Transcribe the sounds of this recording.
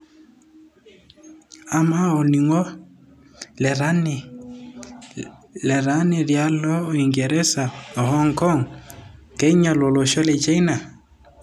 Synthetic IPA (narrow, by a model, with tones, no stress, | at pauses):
a˨ma˦o˨ni˨ŋɔ˦ | lan | lɛ˨ɾa˦ne˨ɾja˦lɔ˦o˨i˨ŋɡɛ˨ɾɛ˦sa˨ɔ˨hɔ˦ŋkɔ˦ŋ | ke˦i˦ɲa˨lo˨lo˨ʃɔ˦le˨t͡ʃa˦ina˨